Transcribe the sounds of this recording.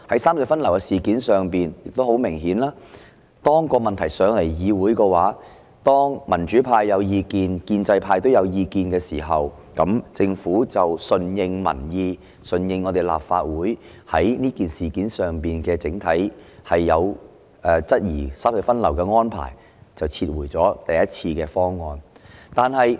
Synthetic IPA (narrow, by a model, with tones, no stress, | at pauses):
hɐ˨˥jsaː˥msɛ˧˥fɐ˥nlɐ˨˩wkɛ˧siː˨˩kiː˨˥nsœː˨ŋpiː˨njɪ˨k̚t̪o˥ho˨˥wmɪ˨˩ŋɦiː˨˥nlaː˥ | t̪ɔː˥ŋkɔː˧mɐ˨nt̪ʰɐ˨˩jsœː˨˧ŋle˨˩jjiː˨˧wuː˨˥jkɛː˧waː˨˥ | t̪ɔː˥ŋmɐ˨˩nt͡ʃyː˨˥pʰaː˧jːɐ˨˧wjiː˧kiː˨˧nkiː˧nt͡sɐ˧jpʰaː˧jt̪wjɐ˨˧wjiː˧kiː˧nkɛː˧siː˨˩ɦɐ˨w | kɐ˨˥mt͡sɪ˧ŋfuː˨˥t͡sɐ˨wsɵ˨njɪ˧ŋmɐ̰˨˩njiː˧ | sɵ˨˩njɪ˧ŋːɔː˧t̪e˨˩jla̰ː˨p̚faː˧t̚wuː˨˥j | hɐ˨˥jniː˥kiː˨˩nsiː˨kiː˨˥nsœː˨ŋpiː˨nkɛː˧t͡sɪ˨˥ŋt̪ʰɐ˨˥jhɐ˨jːɐ˨˧w | ʔɛː˨˧t͡sɐ˥t̚jiː˨˩saː˥p̚hɐ˨˩fɐ˥nlɐ˨˩wkɛː˧ŋɔː˥npʰa̰ː˨˩j | t͡sɐ˨wt͡sʰiː˧t̚wuː˨˩jt͡sɔː˨˥t̪ɐ˨jɐ˥t̚t͡sʰiː˧kɛː˧fɔː˥ŋːɔː˧nt̪aː˨nhɐ˨j